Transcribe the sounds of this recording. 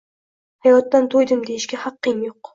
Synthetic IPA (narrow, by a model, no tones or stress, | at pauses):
hajɒt̪ːant̪ʰojd̪ɪmd̪ejɪʃkʲahɑqːɨŋjoq